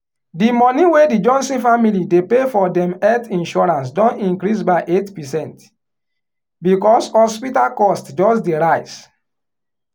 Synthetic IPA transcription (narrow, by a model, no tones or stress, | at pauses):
dimɔ̃niwedid͡ʒɔ̃nsĩfamilidepefɔdɛ̃mɛtĩnʃɔɹãns̬dɔ̃nĩŋkɾis̬baɪʔetpɛsɛ̃nt | bikɔshɔspitalkɔstd͡ʒɔsdeɹaɪs